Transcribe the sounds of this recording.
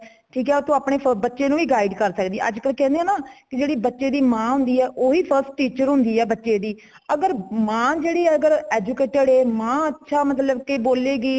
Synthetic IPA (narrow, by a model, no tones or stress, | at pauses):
ʈʰiːkɛːot̪õːaːpɳeːpʰəbətːʃeːnũːiːɡaːiɖkəɾsəkd̪iːʔə̰d͡ʒkəlkɛ̃ːnd̪eãːnaːkɪd͡ʒeːɽiːbətːʃeːd̪iːmãːɦʊ̃nd̪iːɛːʔoːɦiːpʰəɾsʈʈiːt͡ʃəɾɦʊ̃nd̪iːɛːbətːʃeːd̪iː | əɡəɾmãːd͡ʒeːɽiːɛːəɡəɾɛːd͡ʒuːkeːʈəɽeːmãːətːʃʰaːmət̪ləbkeːboːleːɡiː